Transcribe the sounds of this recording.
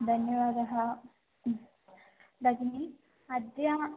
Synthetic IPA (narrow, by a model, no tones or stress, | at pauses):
d̪ʱɐnjɐʋaːd̪ɐɦɐ | d̪ɐɡinil | ɐd̪ja